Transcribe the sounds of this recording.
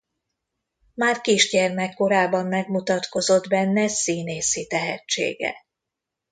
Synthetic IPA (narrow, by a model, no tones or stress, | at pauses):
maːrkiʒɟɛrmɛkːo̞ɾaːbɒmːɛɡmut̪ɒt̪ko̞zo̞d̪bɛnːɛsiːneːsit̪ɛɦɛt͡ʃːḛːɡɛ̰